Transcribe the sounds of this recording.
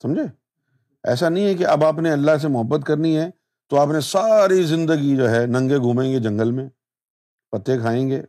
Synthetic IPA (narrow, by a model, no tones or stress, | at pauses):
sɐ̃md͡ʒʱeː | ɛ̰ːsanɐɦĩɦɛkeʔɐbaːpneɐlːaɦs̬emʊɦəbːət̪kɐɾniɦɛː | t̪oaːpnesaːɾizɪ̃nd̪əɡid͡ʒoːɦɛːnɐ̃ŋɡeɡʱũːmẽːŋɡed͡ʒɐ̃ŋɡəlmẽ | pɐt̪ːekʰaːẽːŋɡeː